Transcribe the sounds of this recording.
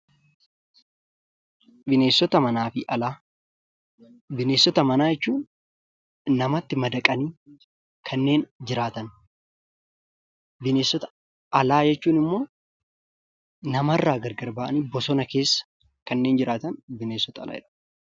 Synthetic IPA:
bɪne̞ːsːɔt̪ɐmɐnaːfɪʔɐlaː | bɪne̞ːsːɔt̪ɐmɐnaːjɛt͡ʃːuːnː | ɐmɐt̪ːɪmɐd̪ɐkʼɐniː | kʰɐnːe̞ːnd͡ʒɪɾaːt̪ɐn | bɪneːsːɔt̪ɐ̥ | ɐlaːd͡ʒɛt͡ʃːuːnɪmːo̞ː | nɐmɐrːaːɡɐɾɡɐɾbaːʔɐniːbɔsɔnɐke̞ːsːɐ̥ | kɐnːe̞ːnd͡ʒɪɾʔaːt̪ɐnbɪneːsːɔt̪ɐɐ̰la̰ːɪ̰ᶑɐ̥

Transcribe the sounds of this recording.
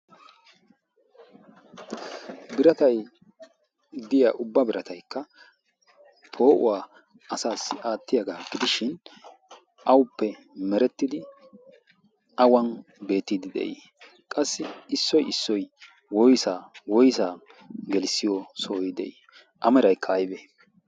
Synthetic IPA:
bɪɾɐt̪ɐj | d̪ɪja̰ːʔʊbːɐbɪɾɐt̪ɐjkːɐ | pʰo̞ːʔʊ̰waː | ɐsaːsːɪʔaːt̪ːɪjɐɡaːɡɪd̪ɪʃɪn | ʔɐwʊpːɛ | mɛɾɛt̪ːɪd̪ɪ | ʔɐwɐn | be̞ːt̪ːid̪ɪd̪ɛ̰ʔḭ | kʼɐsːɪɪsːɔjɪsːɔj | wɔjsaːwɔjsaː | ɡɛlsːɪjɔsoːjɪd̪ɛ̰ʔḭ | ʔɐmɛɾɐjkʰːɐːjbeː

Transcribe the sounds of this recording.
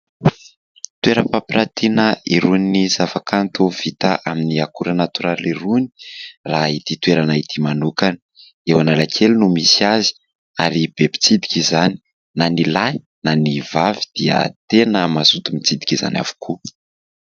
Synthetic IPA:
t̪weɾəpapiɾat̪ʰinəiɾuninizafakʰant̪uv̥it̪aʔaminiakuɾanat̪uɾaliɾunirait̪it̪weɾanait̪imanukanə | ewanalakʰelnumisiazi̥ | aɾib̥epi̥t͡sid̪i̥kʲizani̥ | nanilaj | nanivavid̪̥iə̰t̪enəmazut̪umit͡sid̪i̥kʲiza̰nʲa̰v̥u̥kʰu

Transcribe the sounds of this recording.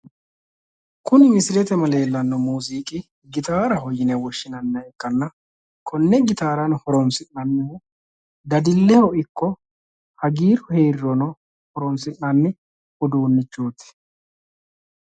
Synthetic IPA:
kʊnɪmɪsɪlɛt̪ɛmɐle̞ːlːɐnːɔmuːziːkʼɪ | ɡɪt̪aːɾɐɦɔjːɪnɛwɔʃːɪnɐnːɐɛkːɐnːɐ | kʰɔnːɛɡɪt̪aːɾɐnhɔɾɔnsɪnːɐnːɪhʊ | d̪ɐd̪ɪlːɛhɔɪkːɔ | hɐɡiːɾʊheːɾɾɔnɔ | hɔɾɔnsɪnːɐnːɪ | hɔd̪uːnːɪt͡ʃːoːt̪ɛ̥

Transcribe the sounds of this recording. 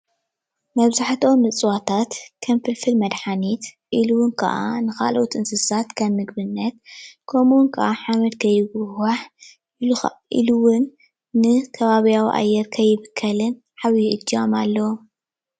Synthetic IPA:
mɐβzaħt̪ʰo̞mːɨt͡sʼwat̪ʰat̪kʰɐmfɨlfɨlmɐd̪ħanit̪ | ʔiluwʊnkʰɐ̰ʔa̰nɨxa̰lʔot̪ɨnsɨsat̪kʰɐβmɨɡbɨnːɐt̪kʰomuwnkʰɐ̰ʔaħamɐd̪kʰɐjːɪɡuwaħ | ʔiluxɐʔʔḭluwʊnː | ɨkʰɐβaβijawiʔa̰jːɛɾkʰɐjːɪβɨkʰːɐlɨn | ħaβjiʔɨd͡ʒːiamalːɐw

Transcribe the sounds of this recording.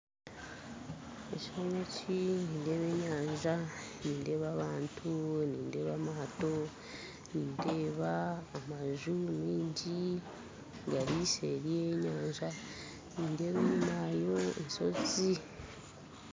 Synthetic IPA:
eciomociniːnde̞βe̞ːɲaːɲʒaniːnde̞ːβaβaːntʰuniːnde̞ːβamaːto̞ | niːnde̞ːβaːmaʒumiːɲɟi | ɡaɾise̞̰ɾijeɲaːɲʒa | niːnde̞ːβemumaːjo̞enso̞̰zi

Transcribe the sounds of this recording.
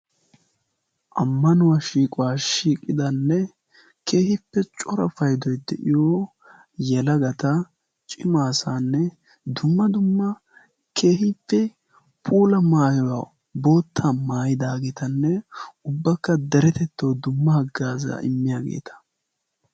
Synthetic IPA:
ʔɐmːɐnʊwaʃiːkʼʊwaːʃiːkʼːɪd̪ɐnːɛ | kʰe̞ːhɪpːɛt͡ʃʼɔɾɐfɐjd̪ɔjd̪ɛʔɪjoː | jɛlɐɡɐt̪ɐ | t͡ʃʼɪmaːsaːnːɛ | d̪ʊmːɐd̪ʊmːɐ | kʰe̞ːhɪpːɛ | pʰʼuːlɐmaːjɔwa | bo̞ːt̪ʰːamaːjɪd̪aːɡɛt̪ɐnːɛʊbːɐkːɐd̪ɛɾɛt̪ɛt̪ːɐwd̪ʊmːɐhɐɡːaːza̰ɪmːɪjaːɡḛːt̪ʰɐ̥

